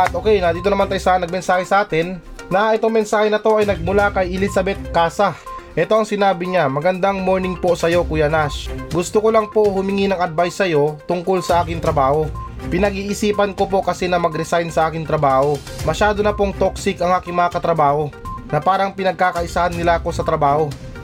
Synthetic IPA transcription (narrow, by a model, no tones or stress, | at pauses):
ɐt̪ʔoːkɛjnɐd̪iːt̪o̞nɐmant̪ɐjsanɐɡ̚mɛnsaːhɛsɐʔaːt̪ɛnː | ɐʔɛt̪o̞ŋmɛnsaːhɛnɐt̪o̞ʔɐjnɐɡ̚mʊlakɐjɛlisɐbɛt̪̚kaːsɐʔɛt̪o̞ʔɐŋsɪnaːbɪɲamɐɡɐnd̪aŋmo̞ɹnɪŋpo̞sɐjo̞kujɐnasɡʊst̪okolɐŋpo̞ʔhʊmɪŋinɐŋɐd̪̚bajsːɐjo̞t̪ʊŋko̞lsɐʔaːkɪŋt̪ɾɐbaːho̞ | pɪnɐɡiːʔɪsiːpɐnkopo̞kɐsɛnɐmɐɡɾɛsajnsɐʔaːkɪŋt̪ɾɐbaːho̞ | mɐʃaːd̪onɐpo̞ŋt̪o̞ksɪkʔɐŋʔaːkɪŋmɐŋɐkɐt̪ɾɐbaːho̞nɐpaːɾɐŋpɪnɐɡ̚kaːkɐʔɪsahɐnːɪlaʔɐko̞sɐt̪ɾɐbaːho̞